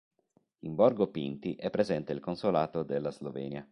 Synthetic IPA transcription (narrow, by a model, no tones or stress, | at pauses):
imbɔrɡopḭnt̪iʔɛpːɾezɛnt̪eilkonsolaːt̪od̪elːazlovɛ̰ːnja